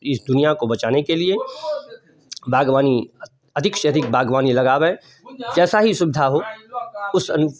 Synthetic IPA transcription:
ɪsd̪ʊnijakobɐt͡ʃaːnekelie | bʱaːɡʋaːni | ɐd̪ʱɪkʃjɐd̪ʱɪk̚bʱaːɡʋaːnilɐɡaːʋe | d͡ʒɛːsaɦisʊbɪd̪ʱaɦo | ʊsɐnʊ

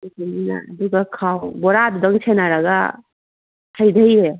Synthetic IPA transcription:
ikinina̰ːduɡakʰawbɔɾaddaŋsʰenaɾaɡa̰ | tʰajdajɾe

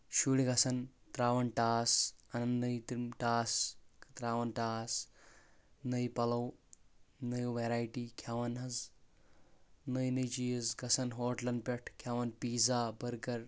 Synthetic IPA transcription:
ʃuːliɡɐsɐnt̪ɾaːʋɐnʈaːsɐnɐnnɐjt̪mʈaːst̪ɾaːʋɐnʈaːs | nəjpɐlɐw | nəjʋeɾaːjʈikʰaʋɐnɦɐz | nəjnəjt͡ʃijizɡɐsɐnɦoːʈlɐnɖpʲeʈʰkʰaʋɐnpiːd͡zaːbɐɾɡɐɾ

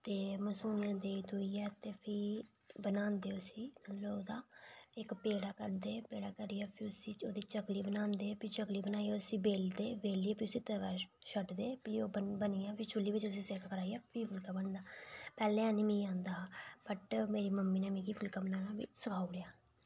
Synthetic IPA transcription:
t̪eːməsuːnɪjãːd̪eːiːt̪ʊiːɛːt̪eːpʰiː | bənãːnd̪eːʊsiːloːd̪aːɪkpeːɽaːkəɾd̪eːpeːɽaːkəɾiːaːpʰiʊsiːt͡ʃoːd̪iːt͡ʃəkliːbənãːnd̪eːpʰit͡ʃəkliːbənaːiːaːʊsiːbeːld̪eːbeːliːɛːpʰiːʊsiːt̪əʋaːʃəʈd̪eːpiːoːbəbəniːãːpʰɪt͡ʃʰʊlːiːʋɪt͡ʃʊsĩːseːkaːkəɾaːijaːpʰiːpʰʊlkaːbəɳd̪aːpɛːlẽːãːnĩːmĩːãːnd̪aːbəʈmeːɾiːməmːiːnaːmĩːkiːpʰʊlkaːbənaːnãːbḭːsəkʰaːuɽeaː

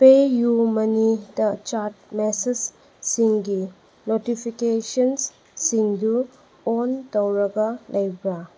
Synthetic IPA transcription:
pejumɐnidɐt͡ʃaɾt̚mesed͡ʒ | siŋɡi | notipʰikesɐnsː | iŋdu | ontɐwɾɐɡɐlʔɐjbɾa

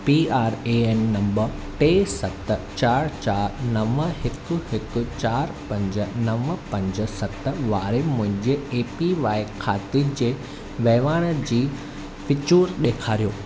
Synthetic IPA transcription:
piaːɾeeːnːɐ̃mbəɾ | ʈeːsɐt̪t͡ɕaːɾt͡ɕaːɾnɐʋəhɪkʊ̆hɪkʊ̆t͡ɕaːɾpɐ̃ɲd͡ʑə̆nɐʋəpɐ̃ɲd͡ʑəsɐt̪ʋaːɾemʊ̃ɦɪ̃ɲd͡ʑeeːpiʋaːɪkʰaːt̪id͡ʑeː | ʋɛːʋaːɽ̃əd͡ʑiː | fɪt͡ɕuːɾɗeːkʰaːɾijoː

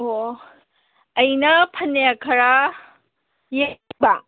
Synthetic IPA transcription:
ɦo | ɐjnɐpʰɐnːeakʰɐɾa | jeba

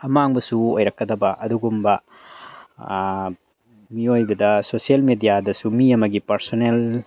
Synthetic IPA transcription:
ɐmaŋbɐsuojɾɐkːɐdɐbɐʔɐduɡumbɐ | miojbɐdɐsosielmedijadɐsumiɐmɐɡipɐɾsonel

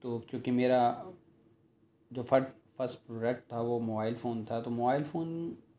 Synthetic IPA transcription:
t̪oːkjũːkimeːɾa | d͡ʒoːfʰɐɾʈ | fɐɾsʈpɾoːɖɛk̚ʈ̚t̪ʰaʋomoːbaːɪlfoːnt̪ʰat̪omoːbaːɪlfoːn

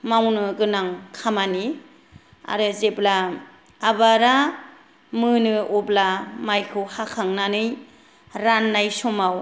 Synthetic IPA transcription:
mawnɯɡɯnaŋkʰamani | a̰ɾɯzeblaː | baɾa | mɯnɯɔblamajkʰɯwhakʰaŋnanɯj | ɾanːajsɔmaw

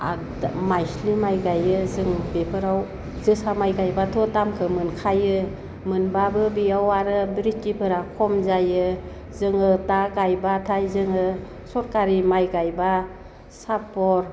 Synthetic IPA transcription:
a | majslimajɡajɯzɯŋbepʰɯɾaw | zɯsamajɡajbatʰɔtamkʰɯmɯnkʰajɯ | mɯnbabɯbiawaɾɯbɾit̚kipʰɯɾakʰɔmzajɯ | zɯŋɯtaɡajbatʰajzɯŋɯ | sɔɾkaɾimajɡajba | sapɔɾ

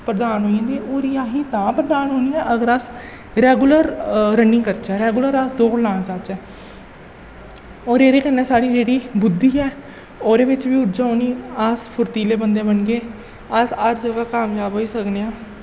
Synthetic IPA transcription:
pɾəd̪aːnɦoːiãːd̪iːʔoːɾiːaːɦiːt̪ãːpɾəd̪aːnɦoːniːɛːʔəɡəɾas | ɾɛːɡʊləɾɾənɪ̃ːkəɾt͡ʃɛːɾɛːɡʊləɾəsd̪oːkɽlaːɽ̃ãːt͡ʃaːt͡ʃɛː | oːɾeːɾeːkənːɛːsaːɽiːd͡ʒeːɽiːbʊd̪ːiːɛː | oːɾeːʋɪt͡ʃʋiːʊd͡ʒaːoːniːaspʰʊɾt̪iːleːbənd̪ẽːbəɳɡeː | asəɾd͡ʒəɡaːkaːmjaːbɦoːiːsəkneːãː

